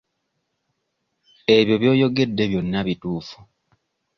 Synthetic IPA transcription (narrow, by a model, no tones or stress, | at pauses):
e̞βjo̞βjo̞ːjo̞ɡe̞dːe̞βjo̞nːaβituːfu